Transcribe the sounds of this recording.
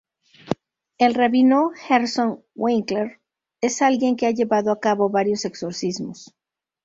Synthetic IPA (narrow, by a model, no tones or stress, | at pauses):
elreβinoxeɾson | wʔeŋkleɾ | e̞salɣje̞ŋkeaʝe̞βaðoakaβo̞βaɾjo̞se̞kso̞ɾsizmos